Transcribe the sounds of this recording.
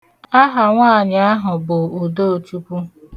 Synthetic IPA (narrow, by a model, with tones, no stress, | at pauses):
a˦ɦa˨ŋʷaː˦˨ɲ˨a˦ɦʊ˨bʊ˨o˨do˦o˨t͡ʃu˦ku˦